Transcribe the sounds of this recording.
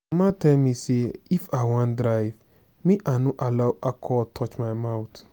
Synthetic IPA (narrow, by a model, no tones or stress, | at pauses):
mãtɛlmĩseifawãndɾaɪv | mĩʔanũʔalaʊʔakʰɔtʰɔt͡ʃmajmaʊt